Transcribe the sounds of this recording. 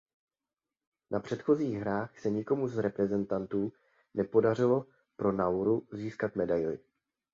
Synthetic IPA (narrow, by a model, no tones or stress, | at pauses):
nʔapr̝̥ɛt̪xo̞ziːɣɦɾaːxsɛɲɪko̞muzɾɛpɾɛzɛnt̪ant̪uː | nɛpo̞dar̝ɪlo̞ | pɾo̞nawɾuziːskat̪mɛdajlɪ̰